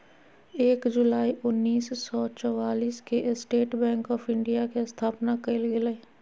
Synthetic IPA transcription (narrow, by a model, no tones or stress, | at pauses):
eːkd͡ʒʊlaːiʔʊnːiːssɔːt͡ʃɔwaːliːskeʔsʈeːʈbɛ̃ːŋkɔːpʰɪ̃ɳɖijakest̪ʰaːpnakelɡele